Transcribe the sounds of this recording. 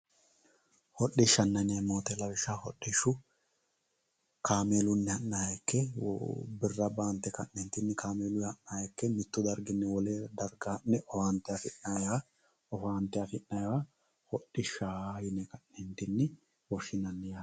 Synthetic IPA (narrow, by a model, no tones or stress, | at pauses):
hɔɗːɪʃːɐnːɐnɐmoːt̪ɛlɐwɪʃahɔɗːɪʃʊ | kaːmeːlʊnːɛhɐnːaːjɛkːɛ̰ | bɪrːɐbaːnt̪ːɛkɐ̰ʔːɛnt̪ɪnːɪkʰaːmeːlʊhɐnːaːjɛkːɛmɪt̪ːʊd̪ɐɾɡɪnːɛwɔled̪ɐɾɡanːɛʔɔfaːnt̪ːɛɐfɪnnaja | ɔfaːnt̪ɛɐfɪnnɐjwa | hɔɗɪʃaːjʊnɛkɐnːɛnt̪ɪnːɪ | wɔʃɪnɐnːɛja